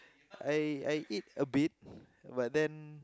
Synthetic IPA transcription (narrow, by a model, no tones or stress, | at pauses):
ajajʔit̚əbit̚ | bat̚dɛ̃n